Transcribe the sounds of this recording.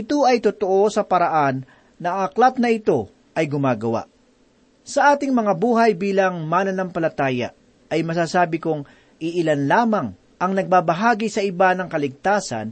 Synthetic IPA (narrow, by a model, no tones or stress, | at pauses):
ʔɪt̪o̞ɐjt̪ʊt̪oʔo̞sɐpɐɾɐʔanː | ɐɐklat̪̚nɐʔɪt̪o̞ | ʔɐjɡʊmaːɡɐwa̰ʔ | sɐʔaːt̪ɪŋmɐŋabuːɦɐjbiːlɐŋmanɐnɐmpɐlɐt̪aːjɐ̰ | ɐjmɐsaːsaːbɪkʊŋ | ʔɪʔɪlanlaːmɐŋ | ʔɐŋnɐɡ̚baːbɐɦaːɡɪsɐʔɪbanɐŋkɐlɪɡ̚t̪aːsɐ̰n